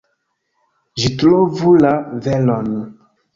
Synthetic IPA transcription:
ʒitlovulavɛlɔnũ

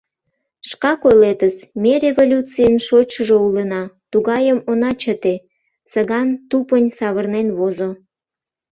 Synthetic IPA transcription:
ʃkɑkojlet̪əsmerʲevolʲut͡sijənʃot͡ɕəʒoulənɑt̪uɣɑjəmonɑt͡ɕət̪e | səɣɑnt̪upənʲsɑβərnenβozo

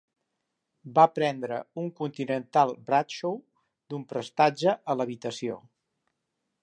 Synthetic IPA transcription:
bapɾɛnd̪ɾəuŋkunt̪inənt̪alˠbɾat̪ʃow | d̪umpɾəst̪ad͡ʒəʔələβit̪əsio̰

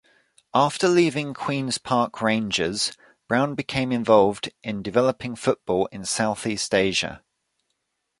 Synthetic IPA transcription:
ʔɑˑftəliːvɪ̃ŋkʰw̥ĩːnz̥pʰɑˑkʰɹẽɪ̃nd͡ʒɪ̰z̥ | b̥ɹãʊ̃nbɪkʰẽɪ̃mɪ̃ɱvɒlˠvdʔɪ̃ndɪvɛləpʰɪ̃ŋfʊʔb̥ɔːlɪ̃nsaʊθiˑsteɪʒə̰

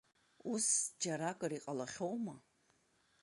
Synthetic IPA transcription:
usd͡ʒaɾakʼɨriqʼalaχʲowma

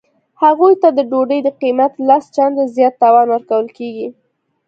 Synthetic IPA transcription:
haɣujt̪ad̪əɖoɖəjd̪əqimat̪last͡ʃand̪ezjɑt̪ːɑwɑnwəɾkawəlkeɡi

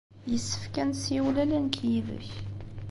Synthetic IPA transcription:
jəsːə̥fkænsiwlælænkʰjiðə̰ç

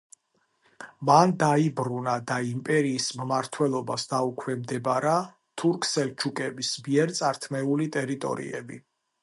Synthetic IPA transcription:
mand̪aibɾunad̪aimpʼɛɾiːsmmaɾt̪ʰwɛlˠɔbasd̪aukʰwɛmd̪ɛbaɾa | t̪ʰuɾkʰsɛlt͡ʃʰukʼɛbismiɛɾt̪sʼaɾt̪ʰmɛulit̪ʼɛɾit̪ʼɔ̰ɾḭɛ̰bḭ

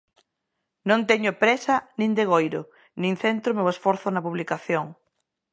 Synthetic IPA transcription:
nõnt̪ɛɲʊpɾɛsɐnĩnd̪eɣ̞ojɾo | nĩŋθent̪ɾʊmeoesfɔɾθʊnɐpuβlikaθjoŋ

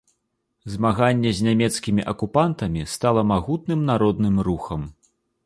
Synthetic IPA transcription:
zmaɣanʲːɛzʲnʲamʲɛt̪skʲimʲiʔɐkupant̪ɐmʲist̪alˠɐmaɣut̪̚nɨmnaɾɔd̪nɨmɾuxɐm

